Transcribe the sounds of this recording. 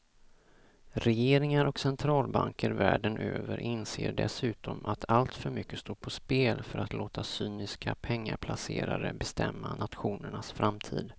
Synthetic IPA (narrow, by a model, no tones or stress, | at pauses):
ɾɛjeːɾɪŋaɾɔksɛnt̪ʰɾɑːlbaŋkəɾvæːɖənʔøːvəɾʔɪnseːɖɛ̰sʉ̟ːt̪ɔmʔat̪ʰalt̪fœɾmʏkːəst̪oːpʰɔspeːlfœɾat̪loːt̪ʰasyːnɪskʰapʰɛŋːaɾpʰlasḛːɾaɾəbɛst̪ʰɛmːanat̪ɧuːnəɳasfɾamt̪ʰḭːd̪